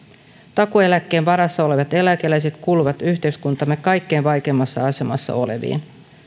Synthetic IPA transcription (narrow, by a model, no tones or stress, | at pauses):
t̪ɑkoe̞lækːe̞ːnʋɑɾɑsːɑo̞le̞ʋɑt̪e̞lækelæjse̞t̪kuːluʋɑt̪yçt̪e̞yskunt̪ɑmːe̞kkːɑjkːe̞ːnʋɑjke̞ːmːɑsːɑɑse̞mɑ̰sːɑ̰o̞̰le̞̰ʋḭːn